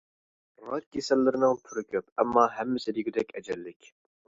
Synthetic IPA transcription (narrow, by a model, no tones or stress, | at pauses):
ɾɑt̪̚kʲʰesɛlːɪɾɪnɨŋpʰyɾɪkʲʰøpɛmːɑːɦɛmːɪsɪd̪iɡʲid̪ɛkʲɛd͡ʒɛlːɪkʲ